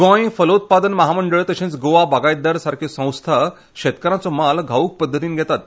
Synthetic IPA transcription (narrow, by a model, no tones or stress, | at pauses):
ɡɔ̃j̃fələut̪̚pad̪ənməɦaməɳɖəɭt̪əɕẽnt͡sɡoʋabaɡajd̪əɾsaɾkʰesə̃w̃st̪ʰa | ɕet̪kəɾãt͡sɔmalɡʱauːk̚pəd̪ʱːət̪iːnɡʱɛt̪at̪